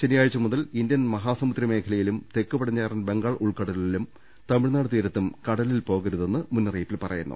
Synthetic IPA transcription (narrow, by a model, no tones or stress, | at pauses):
t͡ɕenijaːɻit͡ɕːɐmuðɐlindjɐnmɐɦaːsɐmut̪ɾjɐme̞ːkʰɐlɐjilumt̪e̞kːɨbɐɽɐɲːaːrɐnbe̞ŋɡaɭʔuɭkɐɽɐlilum | t̪ɐmiɻnaːɽɨt̪iːɾɐt̪ːumkɐɽɐlilpo̞ːɣɐɾuðe̞nːɨmunːɐriːpːilpɐrɐ̰jṵnːṵ